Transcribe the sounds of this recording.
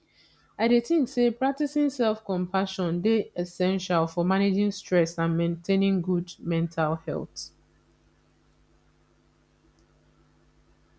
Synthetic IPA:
aɪɾeθɪ̃ŋksepɹak̚tisĩŋsɛlfkɔ̃mpʰaʃɔ̃ndeɛsɛ̃nʃalfɔmaned͡ʒĩŋstɹɛsãnmẽntʰẽnĩŋɡudmɛ̃ntʰalhɛ̰lˠt

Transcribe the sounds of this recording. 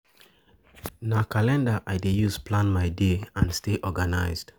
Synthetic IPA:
nakalɛ̃ndaʔajdejusplãnmaɪdeãnsteʔɔɡanaɪzd̥

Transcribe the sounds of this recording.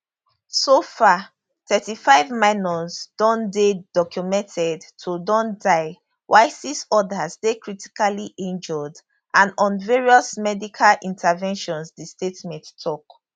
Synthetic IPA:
sofa | tʰɛtifaɪvmaɪnɔsd̥ɔ̃ndedɔkjumɛ̃ntʰɛdtʰodɔ̃ndaɪ | wʔaɪsisɔdazdekɹiti̥kaliʔẽnd͡ʒɔd | ʔãnɔ̃nvɛɹiɔsmɛdikʰalʔĩntʰavɛ̃nʃɔ̃nsdistetmɛ̃nttʰːɔk

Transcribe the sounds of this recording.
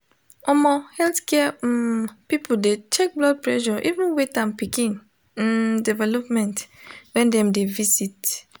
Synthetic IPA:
ɔmɔhɛlθkɛɛ | pipudet͡ʃɛk̚blɔd̚pɹɛʃɔʔivũnwetãmpikĩn̩ | dɛvɛlɔpmɛ̃ntwɛ̃ndɛ̃mdevisit

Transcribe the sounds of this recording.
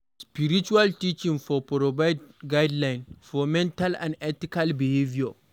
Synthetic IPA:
spiɾit͡ʃualtit͡ʃĩŋfɔpɾɔbajdɡajdlãjnfɔmɛ̃ntalã̰ndɛtikalbihevia

